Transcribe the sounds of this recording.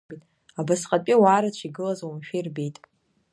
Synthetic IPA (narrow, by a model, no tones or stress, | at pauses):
bitʼ | abasqʼapʲʼiwaːɾat͡ʃʷʰiɡɨlazwumʃᶣijrbejtʼ